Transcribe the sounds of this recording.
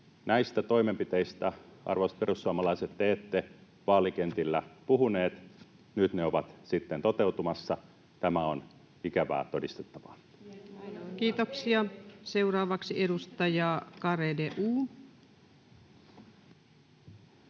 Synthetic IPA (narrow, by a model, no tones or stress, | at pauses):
næist̪æt̪o̞imempit̪eist̪æɑ̰rʋosperusːuɑmɑlɑiset̪ːeːt̪ːe | ʋɑːlikent̪ilːæpuɦuneːt̪ | nyt̪neoʋɑt̪sit̪ːent̪o̞t̪e̞wt̪umɑsːɑ | t̪æmæon | ikæʋæ̰ːt̪o̞dist̪et̪ːɑʋɑ | kiːt̪oksiɑse̞urɑːʋɑksiedust̪ɑjɑːkɑredeʔuː